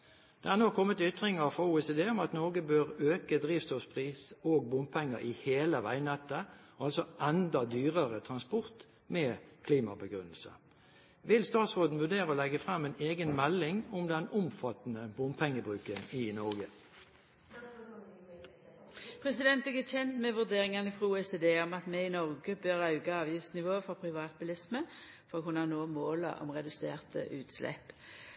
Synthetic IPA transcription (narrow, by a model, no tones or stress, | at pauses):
d̪̥ɛæːnoːkʰɔmːət̪ʏt̪ʁɪŋəʁfʁɑuːɛseːd̪eːʊmɑt̪nɔʁɡəbøːʁøːkəd̪ʁiːʋst̪ɔfspʰʁiːsoːɡ̚bʊm̚pʰɛŋːə̰ɾʔɪheːləʋæ̰ɪnɛt̪ːə | ɑlsɔʔɛnd̪ɑd̪yːʁəʁət̪ʰʁɑnspʊʁt̪ | meːkʰliːmɑbəɡʁʉnəlsə̰ | ʋɪlst̪ɑːt̪soːd̪n̩ʋʉd̪eːʁəoːlɛɡəfʁɑmːɛneːɡənmɛlːɪŋʊmd̪ɛnʊmfɑt̪ənəbʊmpʰɛŋːəbʁʉːkənɪnɔʁɡə | pʰʁɛsɪd̪ɛnt̪ɛɡəçɛnt̪mɛʋʉʁd̪eːʁɪŋɑnəɪfʁuːɛseːd̪eːɔmɑt̪mɛɪnɔʁɡəbøːʁɑʉɡɑɑːʋjɪfsnɪʋoːəfɔpʰʁɪʋɑːt̪̚bʉlɪsmə | fɔʁoːkʰʉnɑnoːmoːlə̰ʔɔ̰mʁɛd̪ʉseːʁt̪ʰə̰ʔʉːt̪slɛ̰p